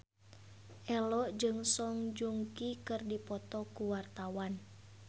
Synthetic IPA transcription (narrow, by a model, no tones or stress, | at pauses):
ʔɛlɔd͡ʒɨŋsɔŋd͡ʒuŋkikɨrdipɔt̪ɔkuwart̪awan